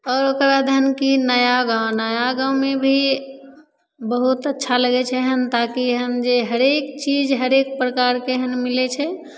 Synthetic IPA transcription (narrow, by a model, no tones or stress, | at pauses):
ɔːɾokɾad̪ʱənkinəjaɡãʊnəjaɡãʊmebʱi | bəɦut̪ətːʃʰaləɡɛt͡ʃʰɛɦənt̪akiɦənd͡ʒeɦəɾekt͡ʃid͡ʒɦəɾekpɾəkaɾkeɦənmilɛt͡ʃʰɛ